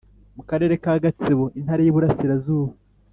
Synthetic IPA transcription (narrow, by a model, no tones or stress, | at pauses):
mukaɾe̞ːɾe̞kaːɡat͡siβo̞ʔinhaɾejiβuɾasiɾazuːβa